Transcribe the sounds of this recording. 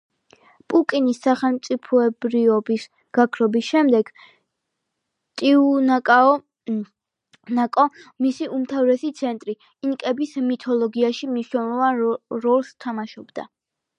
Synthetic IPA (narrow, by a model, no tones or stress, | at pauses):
pʼukʼinisːaχɛlˠmt̪sʼipʰɔɛbɾiɔbis | ɡ̥akʰɾɔbisʃɛmd̪ɛɡ̥ | t̪ʼiu | nakʼɔmisiumt̪ʰavɾɛsit̪sʰɛnt̪ʼɾi | inkʼɛbismit̪ʰɔlˠɔɡiaʃimniʃnɛlˠɔvanɾɔlˠst̪ʰamaʃɔbd̪̥a̰